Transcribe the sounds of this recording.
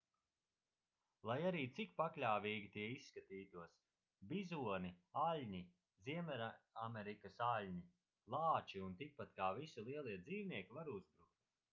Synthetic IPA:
lˠajaɾiːt̪sik̚paklʲaːvʲiːɡʲit̪iɛisːkat̪iːt̪uɔs | bizuɔnialʲɲi | ziɛmɛɾamɛɾikɐsalʲɲi | lˠɑːt͡ʃiunt̪ik̚pat̪kaːvisilˠiɛlˠiɛd̪ziːvniɛkʲivaɾuzbɾuk̚t̪

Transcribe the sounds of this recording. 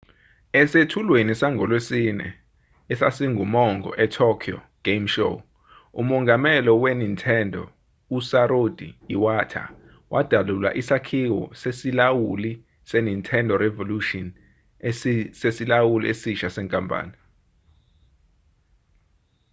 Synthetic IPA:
ɛsetʰulwenisaŋɡʱɔlwesinɛ̰ | ɛsasiŋʱumɔŋɡɔ̰ʔɛtʰɔkʰiɔ̰ | ɡ̥emʃo̰ | ṵmɔŋʱamɛlɔwenintʰʼɛndʱɔ̰ | usaɾod̥ʱḭiwatʰa̰ | wʔad̥ʱalula̰ʔisakʰiwɔ̰sesilawuli | senintʰʼɛndʱɔrɛvoluʃɔn | sesilawuliʔesiʃasɛŋkʼampʼa̰ːni

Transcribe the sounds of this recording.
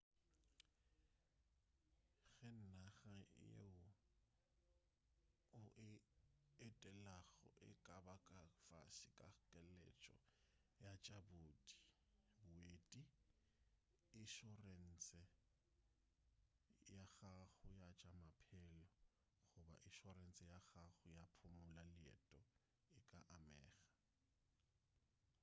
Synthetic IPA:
ɣɛn̩naɣajḛʊ | ʊʔɪ | ɛtʼɛlaɣɔ̰ʔɪ̰kʼabakʼafa̰sɪkʼakʼɛlɛ̰t͡ʃʼɔ̰ | jat͡ʃʼaboːtʼi̥ | bʊeːtʼi | ɪʃɔren̩t͡sɛ | jaɣaɣʊjat͡ʃʼamapʰɛlɔ | χʊba̰ʔɪʃɔren̩t͡sʼɛjaɣaɣʊjapʰʊmʊlalɪɛ̰tʼɔ | ɪkʼaʔamɛ̰ːɣḁ

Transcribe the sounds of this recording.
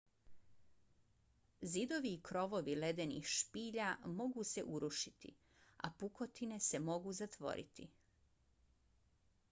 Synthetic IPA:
zid̪o̞ʋiːkɾo̞ʋo̞ʋile̞d̪e̞nḭːxʃpiːʎamo̞ɡuːse̞̰ʔuɾuʃit̪ḭ | a̰puko̞t̪ine̞se̞mo̞ɡuːzat̪ʋo̞̰ɾḭt̪ḭ

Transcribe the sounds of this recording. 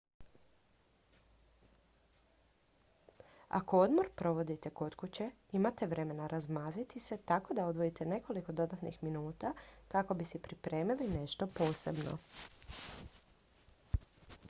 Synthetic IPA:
a̰ko̞od̪mo̞ɾpɾo̞ʋo̞d̪it̪e̞ko̞t̪kut͡ɕe̞ | imat̪e̞ʋɾe̞me̞naɾʔazmaːzit̪ise̞t̪ako̞d̪ao̞d̪ʋo̞jit̪ʰe̞ne̞ko̞liko̞d̪o̞d̪at̪nḭxminuːt̪akako̞bisipɾipɾe̞ːmiline̞ʃt̪o̞po̞ːse̞bno̞̰

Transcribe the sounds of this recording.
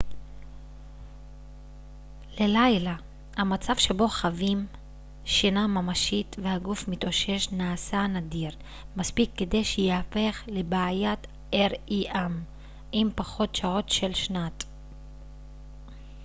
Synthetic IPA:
le̞lajla | hamat͡savʃe̞bo̞χavim | ʃinamamaʃitvehaɡufmit̪oʃe̞ʃnaːsanadiʁ | maspikːe̞d̪e̞jʃejeafe̞χle̞baːjat | ʔeʁiʔam | impaχo̞tʃaʁo̞tʃelʃnat

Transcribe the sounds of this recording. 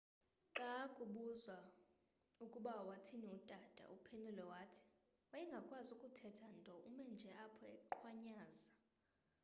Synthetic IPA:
ǁakʼuɓuzwa | ukʼuɓawatʰiniud̥ʼad̥ʼʱa̰ʔupʰenʱulɔwaːtʰi̥ | wajɛŋɡʱakʼwazukʼutʰɛtʰantʼɔʔumɛnd͡ʒʱɛʔapʰɔɛkǃʰwaɲaːza

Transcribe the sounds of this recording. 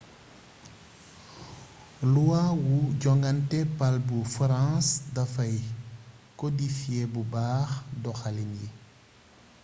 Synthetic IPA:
luwawuɟɔŋɡɐntɛpalbufɾãsdɐfɐj | kɔdifiɛbubaːxdɔxalinji

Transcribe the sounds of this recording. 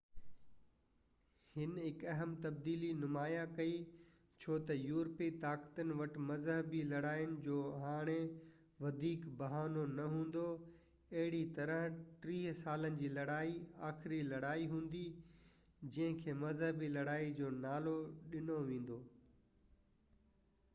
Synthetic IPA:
hɪnɦɪkɐɦəmt̪ɐbd̪iːlinʊmaːjakɐi | t͡ɕʰoːt̪ɐjuːɾpit̪aːkt̪ənɪ̆ʋɐʈmɐzɦəbilɐɽaːjənɪ̆d͡ʑoːɦaːɽ̃e | ʋɐd̪ʱiːkbɐɦaːnonɐɦũːn̆d̪o | ɐɦɪɽit̪ɐɾəɦʈɾiːɦsaːlənɪ̆d͡ʑiːlɐɽaːiaːxɪɾilɐɽaːiɦũːnd̪i | d͡ʑɐ̃ɦɪ̃kʰeːmɐzɦəbilɐɽaːid͡ʑoːnaːloɗɪnoʋẽːn̆d̪oː

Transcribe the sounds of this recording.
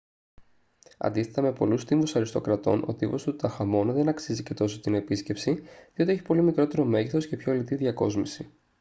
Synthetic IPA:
ɐ̰nd̪isθet̪ɐme̞po̞lust̪iɱvusɐɾist̪o̞̰kɾɐt̪o̞̰nʔo̞̰t̪ivo̞st̪ut̪ɐxɐmo̞nðe̞nɐksizice̞t̪o̞so̞t̪ine̞pisce̞psiðiot̪ieçi̥po̞limikɾo̞t̪e̞ɾo̞me̞ʝiθo̞sce̞pçolit̪iðʝɐko̞zmisi

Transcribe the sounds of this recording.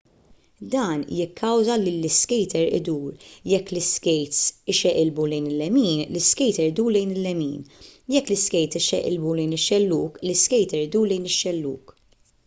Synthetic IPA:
d̪ɐːnjɪkʰːɐwzɐlɪlːɪskɛjt̪ɛɾɪ̰d̪uːɾjɛkːlɪskɛjt̪sɪʃɛʔɪlbulɛjnɪlːɛmiːnlɪskɛjt̪ɛɾɪd̪uːɾlɛjnɪlːɛmḭːnjɛkːlɪskɛjt̪ɪʃɛ̰ʔɪ̰lbulɛjnɪʃːɛlːuːklɪskɛjt̪ɛɾɪd̪uːɾlɛjnɪʃːɛlːṵːk

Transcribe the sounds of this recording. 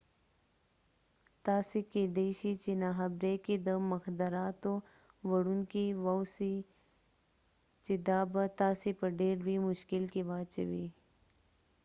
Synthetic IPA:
t̪aːsikid̪eɕit͡ʃinaɦɐbɾekid̪əmɐxd̪ɐɾaːt̪o | ʋɐɽunkiwawsi | t͡ʃid̪aːbat̪aːsipɐɖeːɾɾimʊʃkilkiʋaːt͡ʃɐwi

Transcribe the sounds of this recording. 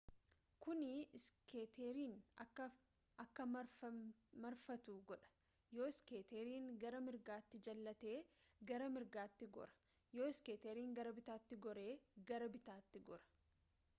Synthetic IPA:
kʊnɪɪskeːt̪eːɾiːnɐkːɐ | ʔɐkːɐmɐ | mɐɾfɐt̪uːɡɔᶑɐ̥ | joːɪskeːt̪eːɾiːŋɡɐɾɐmɪɾɡaːt̪ːɪd͡ʒɐlːɐt̪e̞ːɡɐɾɐmɪɾɡaːt̪ːɪɡɔ̰ɾɐ̥ | jo̞ːɪskeːt̪eːɾiːŋɡɐɾɐbɪt̪aːt̪ːɪɡɔɾe̞ːɡɐɾɐbɪt̪aːt̪ːɪɡɔɾɐ̥

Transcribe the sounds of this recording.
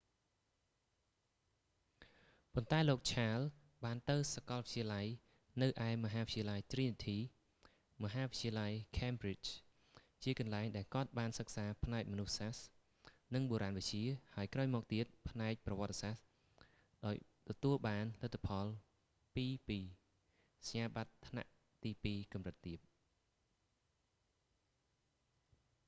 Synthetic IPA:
pont̪aɛloːk̚t͡ɕʰaːl | ɓaːnt̪ɨwsakɑlʋət͡ɕiəlaj | nɨwʔaɛmɔɦaːʋɨtʰt͡ɕiəlajt̪riːnit̪ʰiː | mɔɦaːʋɨct͡ɕiəlajkʰɛmbrit͡ɕ | t͡ɕiəkɑnlaɛŋɗaɛlkŏət̪̚ɓaːnsək̚saːpʰnaɛk̚mɔnuhsas | nɨŋɓoːɾaːnʋɨc̚t͡ɕiəhaəjkraɔjmɔːk̚t̪iət̪̚pʰnaɛk̚prɑʋɔət̪̚ːsas | ɗaɔjt̪ɔt̪uəlɓaːnlət̪ʰːapʰɑl | piːpiː | saɲaːɓat̪ʰːna̰ʔ | t̪iːpiːkɑmrɨt̪ːiəp̚

